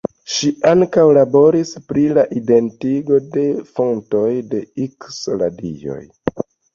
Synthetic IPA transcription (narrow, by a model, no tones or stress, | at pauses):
ʃiaŋkawlabo̞ɾispɾilaʔide̞ntiɡo̞de̞fo̞nto̞jde̞iksla̰dḭjo̞̰j